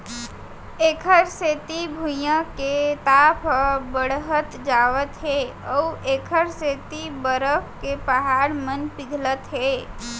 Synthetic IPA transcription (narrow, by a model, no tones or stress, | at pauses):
eːkʰəɾseːt̪ibʱujãket̪aːpʰbəɽɦət̪d͡ʒaːʋət̪ɦɛ | ɔːeːkʰəɾseːt̪ibəɾəpkepəɦaːɾmənpɪɡʱlət̪ɦɛː